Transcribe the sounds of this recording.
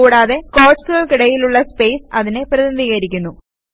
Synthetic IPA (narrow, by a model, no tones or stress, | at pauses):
uːɽaːðe̞ko̞ːʈsɨɣɐɭkiɽɐjiluɭːɐspe̞jsɐðine̞prɐðinɐðiːɣɐɾikʲːunːu